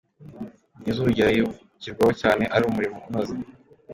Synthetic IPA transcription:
nizuɾuɟaɾajo | ciɾɡwahocaːne̞ʔaɾiumuɾimounazi

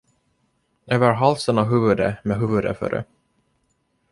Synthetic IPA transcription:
øːvəɾɦalsənɔɦʉ̟ːvɵd̪ə̰mɛɦʉːvɵd̪ə̰fœ̰ɾə̰

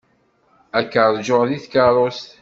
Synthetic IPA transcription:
ækːəɾˤd͡ʒoʁðiθkɑɾˤost̪

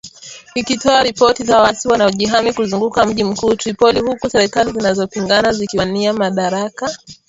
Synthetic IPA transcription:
ikitɔaɾipɔtiðawatiwanaɔʄiɦamikuzuŋɡukam̩ʄim̩kuːtɾipɔlihukusɛɾɛkalizinazɔpiŋɡanazikiwaniamaɗaɾaka

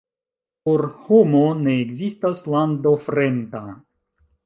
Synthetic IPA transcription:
poɾhomone̞ːɡzistaslandofɾenda

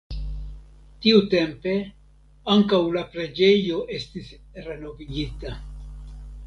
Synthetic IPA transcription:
tiute̞mpe̞ | aŋkawlapɾe̞d͡ʒe̞jo̞ʔe̞stisɾe̞no̞viɡita

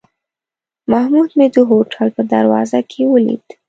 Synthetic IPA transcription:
mahmud̪med̪əɦoʈʰalpəd̪a̰ɾwɑ̰zakʰewəlḭd̪

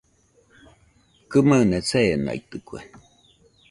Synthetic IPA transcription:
kɨmanet͡seːna̰jt̪ɨkʷḛ

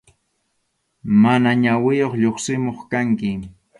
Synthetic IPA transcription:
manaɲawɪjoχʎoχsɪmoχkaŋkɪ

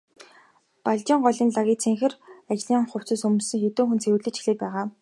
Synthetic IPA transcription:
paɮt͡ɕiːɴɢɔɮʲiːnɮaɣʲiːt͡sʰeŋxɘ̆rat͡ɕɮiːɴχʊw̥t͡sə̆sɵmɵ̆sɵ̆ŋxet̪oːxunt͡sʰewɘ̆ɮɘ̆t͡ɕxiɮeːt̪pæːʁaː

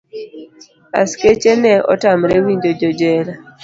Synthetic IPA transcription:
a̰sket͡ʃenɛɔ̰tamɾɛwiɲd͡ʒod͡ʒɔd͡ʒɛla

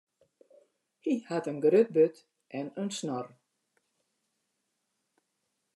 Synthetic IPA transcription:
hihatənɡrøt̚bøt | ʔɛnənsnɔr

